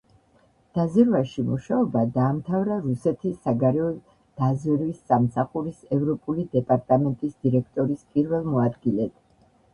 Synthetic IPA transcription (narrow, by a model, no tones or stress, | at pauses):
d̪̥azɛɾvaʃimuʃaɔbad̪aːmt̪ʰavɾaɾusɛt̪ʰisːaɡaɾɛɔ | d̪̥azɛɾvisːamsaχuɾisɛvɾɔpʼulid̪ɛpʼaɾt̪ʼamɛnt̪ʼisd̪̥iɾɛkʰt̪ʼɔɾispʼiɾvɛlˠmɔad̪ɡilɛt̪ʰ